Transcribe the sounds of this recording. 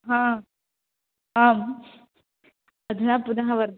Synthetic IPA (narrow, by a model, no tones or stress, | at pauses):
ɦãː | aːm | ɐd̪ɯnaːpʊd̪ɐɦɐʋɐɾd̪